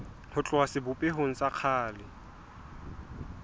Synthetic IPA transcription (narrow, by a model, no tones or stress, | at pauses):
hʊt͡ɬʼʊasɪbʊpʼeɦoŋ̩t͡sʼaq͡χʰaːlɪ